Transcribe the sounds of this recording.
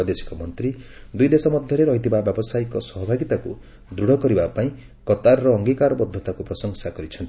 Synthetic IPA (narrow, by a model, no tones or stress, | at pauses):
ɔd̪esi̥kɔmɔnt̪ɾid̪ujd̪esɔmɔd̪ʱjɔɾeɾɔɦit̪ʰibabjɔbɔsaikɔsɔɦɔbʱaɡit̪aku | d̪ɾuɽ̤ɔkɔɾibapaĩ | kɔt̪aɾɾɔːŋɡikaɾɔbɔd̪ʱːɔt̪akupɾɔsɔŋsakɔɾit͡ʃʰɔnt̪i